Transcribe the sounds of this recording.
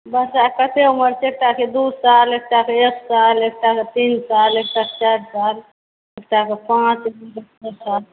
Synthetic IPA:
bəsakət̪ʰeuməɾt͡ʃek̚ʈaked̪usalek̚ʈakeeksalek̚ʈaket̪insalek̚ʈake̥t͡ʃaɾsal | ekʈakepãt͡ʃbiʈəsal

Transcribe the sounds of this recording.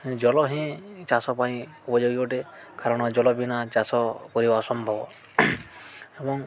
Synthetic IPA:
d͡ʒɔlɔɦĩt͡ʃasɔpaĩ | upɔd͡ʒoɡikɔʈe | kʰaɾɔɽ̃ɔd͡ʒɔlɔbinat͡ʃasɔkɔɾibasɔmbʱɔbɔ | ebɔŋ

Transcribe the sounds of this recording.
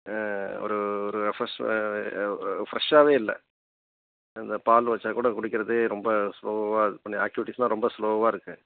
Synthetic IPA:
ɔ̰ɾɯɔɾɯfɾɐʂ | fɾɐʂaːʋeːɪlːɐ̰ | ɪnd̪ɐpaːlʋɐt͡ʃːaːkuːɽɐkʊɽɯkːɪɾɐðɯɾɔmbɐsloːɐʋaːɐðɯpɐɳːɪaːk̚jɪʋɪʈːɪsnãːɾɔmbɐsloːɐʋaːɪɾɯkːɯ

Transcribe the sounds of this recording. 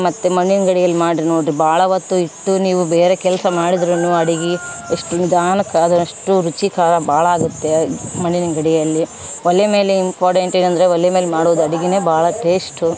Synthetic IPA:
mɐt̪ːemɐɳːinɐɡɐɽijɐlːimaːɽinoːɖɾibaːɭɐʋɐt̪ːuiʈːuniːʋubeːɾekɛlɐsɐmaːɽid̪ɾenuɐɽiɡi | eʂʈunid̪ʱaːnɐkːɐɐd̪ɐɐʂʈuɾut͡ʃikaːɾɐbʱaːɭɐaːɡut̪ːe̞mɐɳːinɐɡɐɽɛjɐlːi | ʋɔlːjɐme̞ːleimpaːɾʈeɳʈeːnɐnd̪ɐɾeɔlːjɛme̞ːlemaːɽuʋɐd̪uɐɽiɡine̞ːbaːɭɐʈeːsʈu

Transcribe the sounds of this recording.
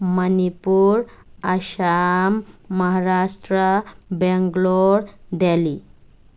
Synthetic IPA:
mənipuːɾaɕamːəɦaɾaʂʈɾəbɛŋɡloɾd̪ali

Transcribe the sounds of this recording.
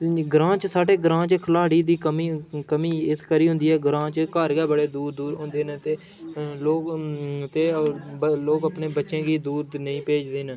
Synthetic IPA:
ɡɾãːt͡ʃsaːʈeːɡɾãːt͡ʃkʰəlaːɽiːd̪iːkəmiːkəmiːɪskəɾiːɦʊ̃nd̪iːɛːɡɾãːt͡ʃkaɾɡɛːbəɽeːd̪uːɾd̪uːɾɦʊ̃nd̪eːnet̪eː | loːkt̪eː | loːkəpneːbətːʃẽːɡiːd̪uːɾnəĩːpeːd͡ʒd̪eːn

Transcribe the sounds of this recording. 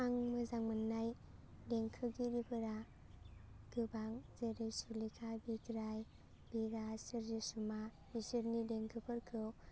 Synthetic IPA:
aŋmɯzaŋmɯnːaj | deŋkʰɯɡiɾibɯɾa | ɡ̥ɯbaŋzeɾɯjsuɾlikʰabiɡɾaj | biɾasɯɾzisuma | bisɯɾnideŋkʰɯpʰɯɾkʰɯw

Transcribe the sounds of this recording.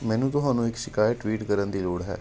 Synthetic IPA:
mɛ̃ːnũːt̪ʊɦaːnũːɪksɪkaːjʈːʋiːʈkəɾənd̪iːloːɽɦɛ̰ː

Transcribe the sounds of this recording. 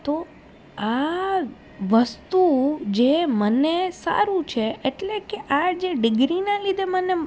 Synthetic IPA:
t̪o | a | ʋəst̪ud͡ʒemənesa̰ɾũt͡ʃʰeeʈlekeʔad͡ʒeɖɪɡɾinalid̪ʱeməne

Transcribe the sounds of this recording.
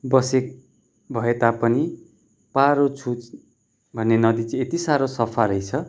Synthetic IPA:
bʌsek̚ | bʱʌet̪apʌni | paɾot͡sʰut͡s | bʱʌnːenʌd̪it͡sʌ̃et̪isaɾosʌpʰalʌjt͡sʰʌ

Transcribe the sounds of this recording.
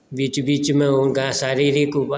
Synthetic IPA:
biːt͡ʃbiːt͡ʃmẽoɡasaːɾiɾikub

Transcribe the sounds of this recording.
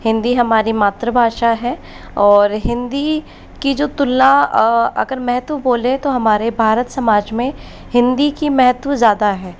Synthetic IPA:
hɪ̃nd̪iɦɐmaːɾimaːt̪ɾəbʱaːʃaɦɛː | ɔːɾɦɪ̃nd̪i | kid͡ʒoːt̪ʊlːaɐ̰ɡəɾmɛɦt̪ʋəboːlẽt̪oɦɐmaːɾebʱaːɾət̪sɐmaːd͡ʒmẽ | hɪ̃nd̪ikimɛɦt̪ʋəzjaːd̪aɦɛː

